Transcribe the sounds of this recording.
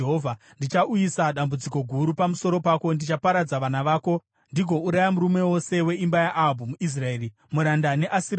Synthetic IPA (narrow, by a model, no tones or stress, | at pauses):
ɦovʱa | ndit͡ʃaʔujisaɗambud͡ziko̞ɡʱuɾupamuso̞ɾo̞pako̞ndit͡ʃapaɾad͡zaʋanaʋaːko̞ | ndiɡʱo̞uɾajamuɾume̞wo̞se̞we̞imbajaʔaɦbʱumuʔis̬raeːri | muɾandane̞ʔasiɾ